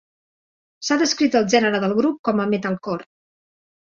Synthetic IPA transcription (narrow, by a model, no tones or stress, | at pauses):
saðəskɾit̪əlˠʒɛnəɾəðəlˠɣɾup̚kɔməmɛt̪əlˠkɔɾ